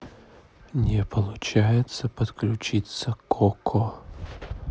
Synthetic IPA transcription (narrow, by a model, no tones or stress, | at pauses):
nʲɛpəlˠʊt͡ɕajɪt̪səpɐt̪klʲʊt͡ɕit̪səkʰɔkʰɔ